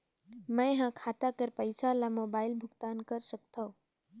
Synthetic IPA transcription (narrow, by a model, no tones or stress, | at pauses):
mɛ̃ɦãkʰaːt̪akəɾpəɪsalamoːbaːɪlbʱʊɡt̪aːnkəɾsək̚t̪ʰaõ